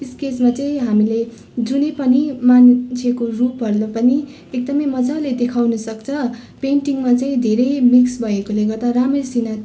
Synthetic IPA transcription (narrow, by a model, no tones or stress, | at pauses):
iskesmat͡sʌĩɦamile | d͡zunepʌnimant͡sʰjekorupɦʌrlopʌni | ek̚d̪ʌmʌjmʌd͡zaled̪ekʰawnʌsʌkt͡sʰʌpeɳʈiŋmat͡sʌĩd̪ʱeɾʌjmiksbʱʌekoleɡʌrt̪aɾamesina